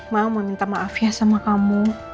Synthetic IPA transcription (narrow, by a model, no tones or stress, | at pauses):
maməmint̪amaafiahsamakamu